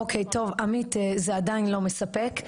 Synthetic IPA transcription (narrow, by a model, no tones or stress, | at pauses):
okʰejto̞vamit̪ezeadainlo̞mesapek